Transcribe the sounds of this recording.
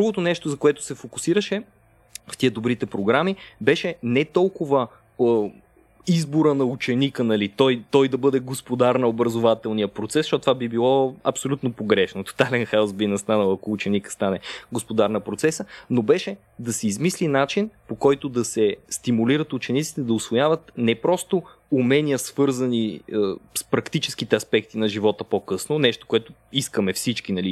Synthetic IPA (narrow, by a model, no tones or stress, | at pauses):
d̪ɾuɡot̪onɛʃt̪ozɐkoɛt̪ʊ̥sɛfokʊ̥siɾəʃɛ | ft̪iəd̪obɾit̪ɛpɾoɡɾamibɛʃɛnɛt̪ɔlˠkʊvə | izboɾənɐut͡ʃɛnikənɐlit̪ɔjt̪ɔjd̪ɐbɤd̪ɛɡospod̪aɾnəobɾɐzovat̪ɛlˠnijəpɾot̪sɛsʃɔt̪t̪vabibilˠɔɐpsolʲut̪nopoɡɾɛʃnot̪o̥t̪alɛnxaʊsbinɐst̪anəlˠɐkoːt͡ʃɛnikə̥st̪anɛɡospod̪aɾnəpɾot̪sɛsənobɛʃɛ | d̪ɐsɛizmislinat͡ʃinpokɔjt̪ʊd̪ɐsɛst̪imuliɾət̪ut͡ʃɛnit̪si̥t̪ɛd̪ɐʊsvojavɐt̪nɛpɾɔst̪o | umɛnʲiəsvɤɾzəniəspɾɐkt̪it͡ʃɛ̥skit̪ɛɐspɛk̚t̪inɐʒivɔt̪əpokɤsnonɛʃt̪o̥koɛt̪ʊiskəmɛfsit͡ʃkinɐli